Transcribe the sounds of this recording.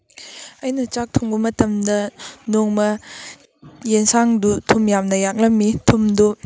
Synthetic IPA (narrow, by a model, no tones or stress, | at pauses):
ɐjnɐt͡ʃak̚tʰuŋbɐmɐtɐmdɐnoŋmɐ | jensaŋdutʰumjamnɐjak̚lɐmːitʰumdu